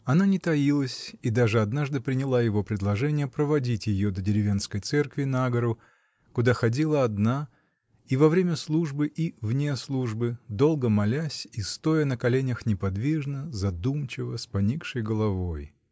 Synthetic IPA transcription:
ɐnanʲɪt̪ɐilˠəsʲid̪aʐɨɐd̪naʐd̪ɨpɾʲɪnʲɪlˠajɪvo̞pɾʲɪd̪lˠɐʐɛnʲɪjəpɾəvɐdʲitʲjɪjod̪ədʲɪɾʲɪvʲe̞nskəjt̪sɛrkvʲɪnaɡəɾʊ | kʊd̪axɐdʲilˠəɐd̪na | ivɐvɾʲemʲəslˠuʐbɨʔivnʲeslˠuʐbɨd̪o̞lˠɡəmɐlʲæsʲist̪o̞jənəkɐlʲenʲəxnʲɪpɐd̪vʲiʐnəzɐd̪umt͡ɕɪvəspɐnʲikʂɨjɡəlˠɐvoj

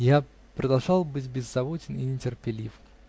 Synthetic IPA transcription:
ja | pɾəd̪ɐlˠʐɑlˠbɨtʲbʲɪzːɐvot͡ɕʲɪninʲɪtʲɪrpʲɪlʲif

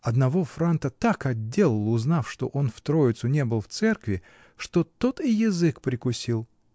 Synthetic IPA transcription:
ɐd̪nɐvo̞fɾant̪ət̪akɐdʲːelʲˠɪlˠʊznafʂt̪o̞̰ʔo̞nft̪ɾoɪt̪sʊnʲe̞bɨlˠft̪sɛrkvʲɪ | ʂt̪ot̪ot̪ɪjɪzɨkpɾʲɪkʊsʲilˠ

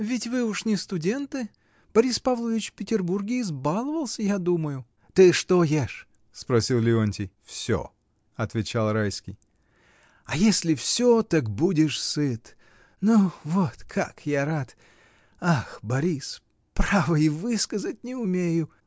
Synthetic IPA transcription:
vʲɪtʲvɨʊʂnʲɪst̪ʊdʲe̞nt̪ɨ | b̥ɐɾʲispavlˠəvʲɪt͡ɕfʲpʲɪtʲɪrburɡʲɪːzbalˠəvəlˠsʲəjad̪uməjʊ | t̪ɨʂt̪ojeʂ | spɾɐsʲilˠlʲɪonʲtʲɪjfsʲo̰ | ɐt̪vʲɪt͡ɕalˠrajskʲɪ̰j | ɐjesʲlʲɪfsʲot̪akbudʲɪʂsɨt̪ | nuvot̪kʰakjaɾat̪ | axbɐɾʲis | pɾavəɪvɨskəzət̚ʲnʲɪʊmʲejʊ

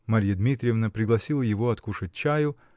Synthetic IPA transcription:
mɐɾʲjəd̪mʲit̪ɾʲɪjɪvnəpɾʲɪɡlˠɐsʲilˠəjɪvo̞ɐt̪kuʂɨt̚ʲt͡ɕæjʊ

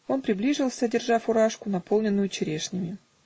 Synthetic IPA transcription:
o̞npɾʲɪblʲiʐɨlˠsʲəɐdʲɪrʐafʊɾaʂkʊnɐpo̞lˠnʲɪnːʊjʊt͡ɕɪɾʲeʂnʲɪmʲɪ

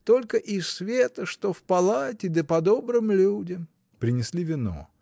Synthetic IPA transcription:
t̪o̞lʲkəʔissvʲet̪əʂt̪ofpɐlˠatʲɪd̪əpɐd̪o̞bɾɨmlʲudʲɪm | pɾʲɪnʲɪsʲlʲivʲɪno̰

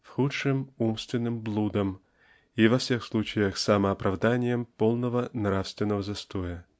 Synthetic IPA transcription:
fxutʂɨmumst̪vʲɪnːɨmblˠud̪əm | ivɐfsʲɛxslˠut͡ɕɪjəxsamɐːpɾʔavd̪anʲɪjəmpolˠnəvənɾafst̪vʲɪnːəvəzɐst̪ojɐ

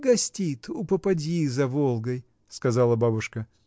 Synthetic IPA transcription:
ɡɐsʲtʲit̪ʊpəpɐdʲizɐvolˠɡəj | skɐzalˠəbabʊʂkə

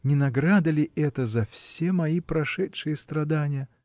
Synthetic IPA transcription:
nʲɪnɐɡɾad̪əlʲɪʔɛt̪əzɐfsʲemɐipɾɐʂɛtʂɨjəst̪ɾɐd̪anʲɪjə

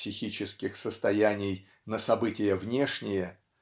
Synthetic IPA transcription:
sʲɪxʲit͡ɕɪskʲɪxsəst̪ɐjænʲɪj | nəsɐbɨtʲɪjəvnʲe̞ʂnʲɪjə

